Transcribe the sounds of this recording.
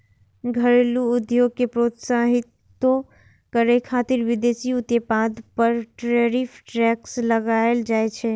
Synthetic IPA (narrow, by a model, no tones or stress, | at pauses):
ɡʱəɾeluʊd̪joːɡ̚kepɾoːt̪saɦɪt̪ː | o | kəɾekʰaːt̪ɪɾʋɪd̪eːsiʊt̪jepãːd̪pəɾʈɾɛɾifʰʈɾɛːksləɡaeld͡ʒaːet͡ʃʰɛ